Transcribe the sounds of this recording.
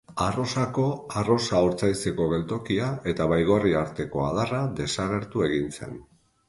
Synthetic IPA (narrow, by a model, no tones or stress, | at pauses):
aro̞sako̞aro̞sauɾt͡sajt͡se̞ko̞ɣ̞e̞lt̪o̞kiae̞t̪aβajɣo̞riaɾt̪e̞ko̞a̰ð̞arad̪e̞saɣ̞e̞ɾt̪ue̞ɣinse̞̰n